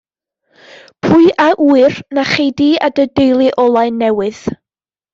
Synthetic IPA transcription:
pʰʊɨʔaʔuːɨrnaχejdiadədejlˠiʔɔlˠaɨnːɛwɨð̥

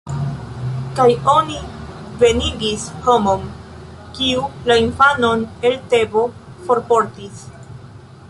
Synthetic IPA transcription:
kajo̞ni | ve̞niɡisho̞mom | kiulainfano̞ne̞lte̞bo̞ | fo̞ɾpo̞ɾtis

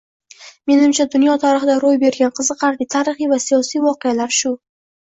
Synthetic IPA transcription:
me̞nɪmt͡ʃʰad̪ʊnjɒt̪ʰɒɾɪχɪd̪aɾojbe̞ɾɡʲanqʰɨzɨqʰɑɾd̪ɪt̪ʰaɾɪχijvasijɒsijvɒqejalaɾʃʊ

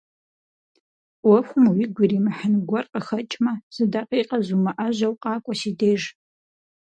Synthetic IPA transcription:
wɐxʷʊmwiɡʷirimaħanɡʷarqʼaxɐt͡ʃʼmaz̥ɨdaqʼiqʼazumaʔaʒʷawqʼaːkʷʼaʃideːʐ

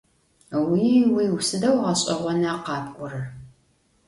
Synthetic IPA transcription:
wiːwiːwsɨdɐwʁɐɕʼɪʁʷɔnaːqɑːpʼʔʷʼʊrɨr

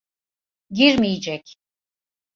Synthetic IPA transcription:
ɟiɾmijid͡ʒɛc

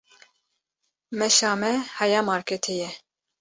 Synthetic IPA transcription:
mɛʃaːmɛhɑjaːmɑːɾkʰɛt̪ʰɛjɛ

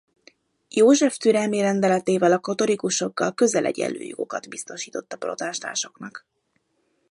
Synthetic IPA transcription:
joːʒɛft̪yɾɛmiɾɛnd̪ɛlɛt̪eːvɛlɒkɒt̪o̞likuʃo̞ɡːɒlkø̞zɛlʔɛ̰ɟɛ̰lːʔø̰ːjoɡo̞̰kɒd̪bist̪o̞ʃiːt̪ot̪ːɒpro̞̰t̪aːʃt̪a̰ːʃo̞knɒk

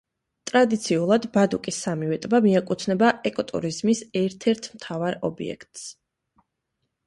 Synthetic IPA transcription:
t̪ʼɾad̪it̪sʰiulˠad̪bad̪ukʼisːamivɛt̪ʼbamiɛkʼut̪ʰnɛbaʔɛkʼɔt̪ʼṵɾizmisɛɾt̪ʰɛɾt̪ʰmt̪ʰavaɾɔ̰bḭɛ̰kʰt̪ʼs

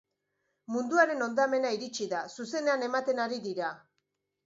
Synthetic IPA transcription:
mund̪uaɾe̞no̞nd̪ame̞naiɾit͡ʃiðasuse̞ne̞ane̞mat̪e̞naɾiðiɾa

